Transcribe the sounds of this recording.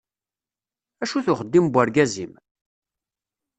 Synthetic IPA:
æʃuθʊχəd̪ːimbʷːaɾɡæzim

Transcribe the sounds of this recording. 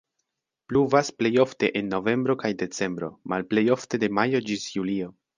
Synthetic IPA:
pluvasple̞jo̞fte̞ʔenːo̞ve̞mbɾo̞kajde̞t͡se̞mbɾo̞̰malple̞jo̞fte̞de̞majo̞d͡ʒisjulio̞

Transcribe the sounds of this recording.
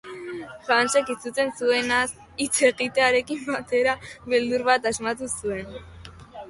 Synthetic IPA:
fant͡ʃekit͡sut͡s̪e̞nsue̞nas | it͡se̞ɣit̪e̞aɾe̞kimbat̪e̞ɾaβeld̪uɾβat̪azmat̪usue̞n

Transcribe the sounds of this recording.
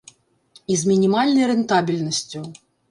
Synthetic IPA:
izmʲinʲimalʲnɐjɾɛnt̪abʲilʲnɐsʲt͡sʲu

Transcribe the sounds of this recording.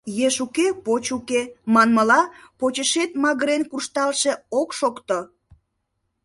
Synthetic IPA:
jeʃukepot͡ɕukemɑnməlɑpot͡ɕəʃet̪mɑɣəɾenkurʃt̪ɑlʃe̽okʃokt̪o

